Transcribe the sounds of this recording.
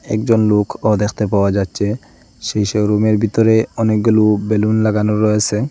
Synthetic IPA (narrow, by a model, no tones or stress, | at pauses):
ɛ̰k̚d͡ʑɔnlokʰɔd̪exʰt̪epaoad͡ʑatːɕʰe | ʃejʃeɾomeɾbʱit̪ɔɾeɔnek̚ɡolubelunlaɡanoɾɔet͡ɕʰe